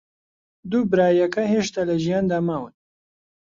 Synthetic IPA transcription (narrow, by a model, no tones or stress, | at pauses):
d̪ubɨɾaːjɐkɐheːʃt̪aːlɐʒijaːnd̪aːmaːwɨn